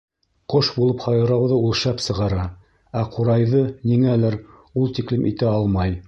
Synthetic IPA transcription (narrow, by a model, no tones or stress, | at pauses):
qoʃbulˠɤphɑjɤ̆ɾɑwðɤulˠʃɑpsɤ̆ʁɑɾɑ | æquɾɑjðɤniŋælæɾ | ulˠt̪iklimʔḭt̪æɑlˠmɑj